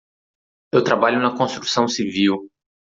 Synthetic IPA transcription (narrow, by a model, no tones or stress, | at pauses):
ewt̪ɾabaʎʊnɐkõst̪ɾusɐ̃w̃siviw